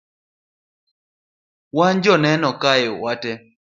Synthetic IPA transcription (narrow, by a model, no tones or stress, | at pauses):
wand͡ʒɔnɛnɔkajwatɛ